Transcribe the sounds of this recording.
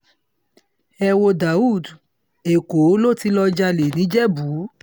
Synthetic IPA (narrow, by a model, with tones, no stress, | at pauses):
ɛ˧wo˧da˨u˦˨d | e˨ko˨˦lo˦˨ti˧˦lɔ˧d͡ʒa˧le˨nĩ˨˦d͡ʒɛ˦bu˨˦